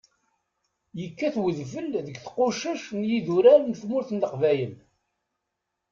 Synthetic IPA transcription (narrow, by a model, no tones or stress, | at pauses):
jəkːæθwəðfəlðəɡθqʊʃæʃnjiðuɾæɾnθmʊɾθənləqvæjən